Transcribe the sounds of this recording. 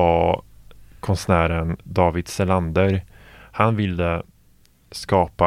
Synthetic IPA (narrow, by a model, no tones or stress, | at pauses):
a | kʰɔnsnæːɾənd̪ɑːvɪd̪sɛland̪əɾhanvɪlːə | skɑːpa